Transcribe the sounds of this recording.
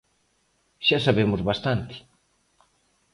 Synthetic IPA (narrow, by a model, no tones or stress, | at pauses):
ʃasaβemʊzβast̪ant̪ɪ̥